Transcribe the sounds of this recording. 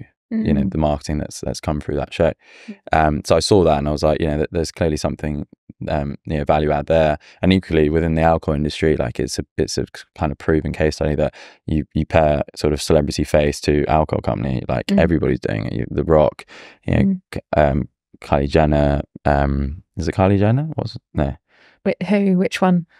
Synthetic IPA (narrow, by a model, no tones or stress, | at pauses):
jənəʊðəmɑˑkɪ̥tʰɪ̃ŋðə̰tsðə̰tskʰʌ̃ɱθɹʉ̰ːðə̰tʃəʊ | ʔʌ̃msəʊaɪsɔːðətə̃naɪwʌzlaɪkjə̰nəʊðəðəz̥kʰl̥ɪəlisʌ̃mθɪ̃ŋʌ̃mjənəʊvaljʉaʊd̪̚ðə | ə̃niˑkʰwəliwɪðɪ̃nðialˠkʰəʊlɪ̃ndəstɹ̥ila̰ɪkɪ̰tsəɪtsə̰kʰãɪ̃ndə̥v̥pʰɹ̥ʉːvɪ̃ŋkʰeɪstʌɾiðəʔəjəpʰɛːsɔˑɾəv̥səlɛbɹətifeɪstʰəa̰lˠkʰə̰kʰʌ̰̃mpənḭla̰ɪkɛvɹibɒɾḭzdʉ̰ːɪ̰̃ŋɪ̰ʔjə̰ðəɹɒkjə̰nə̰ʊʔʌ̃m | kʰɑ̰lid͡ʒɛ̃nəʔʌ̃mɪzɪʔ̚kʰɑlid͡ʒɛ̃ɪnəwɒ̰tsnəʊ | wɪhʉwɪt͡ʃwʌ̃n